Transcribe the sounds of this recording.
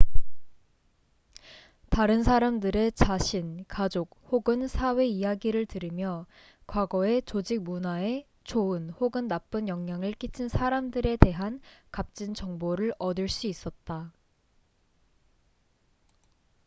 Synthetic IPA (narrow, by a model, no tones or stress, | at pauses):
taɾɯnsʰaɾamdɯɾe̞t͡ɕaɕʰinkad͡ʑok̚hoɡɯnsʰawe̞ijaɡiɾɯɭtɯɾimjʌ | kwaɡʌe̞t͡ɕod͡ʑik̚munae̞ | t͡ɕoɯnhoɡɯnːap͈ɯnjʌŋɲaŋɯɭk͈it͡ɕʰɯnsʰaɾamdɯɾe̞te̞ɦankap̚t͡ɕ͈int͡ɕʌŋboɾɯɭʌdɯɭs͈uis͈ʌt̚t͈a